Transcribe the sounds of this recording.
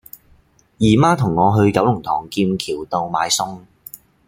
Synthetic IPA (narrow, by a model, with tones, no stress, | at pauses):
jiː˨˩maː˥t̪ʰʊ˨˩ŋːɔː˨˧ɦɵ˧ɥkɐ˨˥wlʊ˨˩ŋt̪ʰɔː˨˩ŋkiː˧mkʰiː˨˩wt̪o˧wma̰ː˨˧˥jsʊ˥ŋ